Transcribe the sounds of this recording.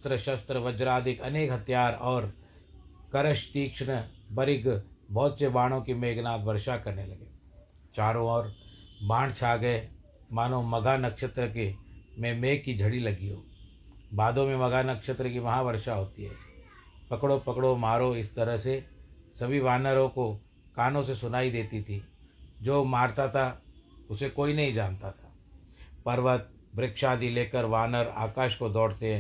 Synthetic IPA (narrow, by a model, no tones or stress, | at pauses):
t̪ɾəʃɐst̪ɾəʋɐd͡ʒɾaːd̪ʱɪkɐneːkɦɐt̪jaːɾɔːɾ | kɐɾəʃt̪iːkʃɳ̃bɐɾɪɡbɔːt̪sebaːɽ̃õkimeːɡnaːt̪bɐɾʃakɐɾnelɐɡeː | t͡ʃaːɾõɔːɾbãːɳɖt͡ʃʰaːɡəe | maːnõmɐɡʱanɐkʃət̪ɾək̬emẽmeːkkːid͡ʒʱɐɽilɐɡiɦo̰ː | baːd̪õmẽmɐɡanɐkʃət̪ɾəkimɐɦaʋəɾʃaɦoːt̪iɦɛ̰ː | pɐkɽopɐkɽomaːɾoɪst̪ɐɾəɦsesɐbʱiʋaːnəɾõko | kaːnõsesʊnaːid̪eːt̪it̪ʰid͡ʒoːmaːɾt̪at̪ʰaʊsekoːinɐɦĩd͡ʒaːnt̪at̪ʰḁː | pɐɾʋət̪̚ | bɾɪkʃaːd̪ʱileːkəɾʋaːnəɾa̰ːkaːʃkod̪ɔːɽt̪eɦɛ̃ː